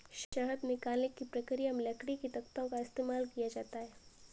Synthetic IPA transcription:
ʃɐɦəd̪nɪkaːlɪkːipɾɐkɾijamɪlɐkɽikit̪ɐkt̪õkaɪst̪eːmaːlkijad͡ʒaːt̪aɦɛː

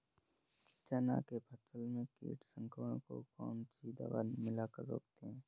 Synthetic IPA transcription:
t͡ʃɛna̰kepʰəsəlmẽkḭːʈsə̃ŋkʰəːɽ̃ko̰kɔːnt͡ʃiːd̪a̰ʋa̰ːnmɪlakəɾːo̰ːkt̪eɦɛ̃ː

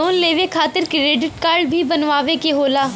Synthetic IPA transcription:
oːnleːʋekʰaːt̪ɪɾkɾeːɖɪʈkaːɾɖbʱibɐnʋaːʋekeɦoːlaː

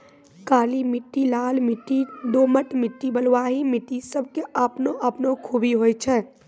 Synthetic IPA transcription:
kaːlimɪʈːilaːlmɪʈːid̪oməʈmɪʈːibəlwaːɦimɪʈːisəb̚ʱkeʔəpnoʔəpnokʰuːbiɦojt͡ʃʰɛ

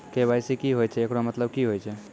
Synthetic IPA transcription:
kebajsikiɦojt͡ʃʰɛekɽomət̪ləb̚kiɦojt͡ʃʰɛ

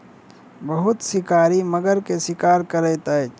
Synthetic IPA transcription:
bəɦʊt̪sɪkaːɾiməɡəɾkesɪkaːɾkəɾɛːt̪ə

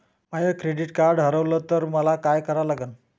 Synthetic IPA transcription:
majəkɾeɖiʈkaɾɖɦəɾəʋləːt̪əɾməlakajkəɾalaɡən

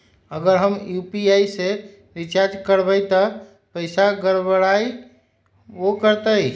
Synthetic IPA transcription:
əɡəɾɦəmjupiaise | ɾit͡ʃaɾd͡ʒkəɾbəjt̪ɔ | pəɪsaɡəɾbəɽai | okəɾt̪əj

